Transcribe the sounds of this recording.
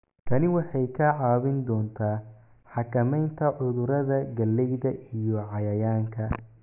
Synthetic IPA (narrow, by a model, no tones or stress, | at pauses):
kʰɐnɪwɑħɑjkʰɐʕɑːβɪnd̪ɔːnt̪ʰaː | ħɑkʰɐmɛjnt̪ʰɐʕʊðʊɾɐðɐɡɐlːɛjðɐʔijɔʕɑjɐjaːŋkʰɐ